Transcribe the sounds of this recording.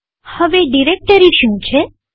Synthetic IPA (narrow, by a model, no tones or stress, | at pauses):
həʋeɖiɾek̚ʈəɾiʃũt͡ʃʰe